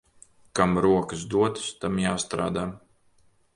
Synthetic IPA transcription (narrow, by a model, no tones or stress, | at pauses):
kamɾuɔkɨsd̪uɔt̪ɨst̪amjaːst̪ɾa̰ːd̪aː